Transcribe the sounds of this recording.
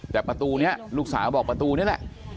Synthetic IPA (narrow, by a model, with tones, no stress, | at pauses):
t̪ɛː˨˩pɾa˧t̪uː˧ni˦˥ɐluː˦˥k̚saː˩˦bɔː˨˩kpɾa˧t̪uː˧ni˦˥ɐ˨lɛ̰˨˩ʔ